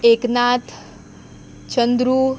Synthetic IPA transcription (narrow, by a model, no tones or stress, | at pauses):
eːknaːt̪ʰ | t͡ʃənd̪ɾuː